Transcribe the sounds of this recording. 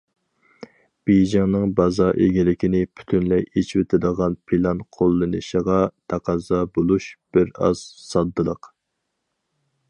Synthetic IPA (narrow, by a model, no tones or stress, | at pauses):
b̥ejʒɪŋnɨŋbɑzɑʔeɡʲilɪkʲinɪpʰy̥t̪ʰynlɛjet͡ʃʰwet̪ʰɪd̪əʁɑnpʰilˠɑnqʰolˠːɨnɨʃəʁɑt̪ʰɑqɑzɑbolˠuʃb̥ɪɾɑ̰z̥sɑd̪ːɨlˠəq